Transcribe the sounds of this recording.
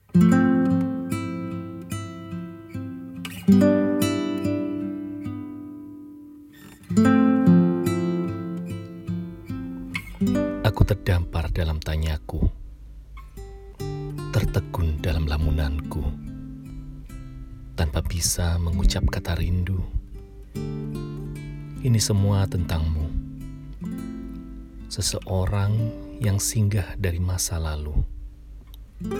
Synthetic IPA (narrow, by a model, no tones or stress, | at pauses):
ʔakut̪ərdampardalamt̪aɲaku | t̪ərt̪əɡʊndalamlamunanku | t̪anpabisaməŋut͡ʃap̚kat̪aɾindu | ʔinisəmuat̪ənt̪aŋmu | səsəʔoɾaŋjaŋsiŋɡahdaɾimasalalu